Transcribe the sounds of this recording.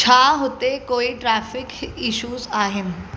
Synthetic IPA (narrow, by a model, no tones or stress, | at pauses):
t͡ʃʰaːɦʊt̪ekoːiʈɾɛːfɪkɪʃuːzaːɦɪnɪ̆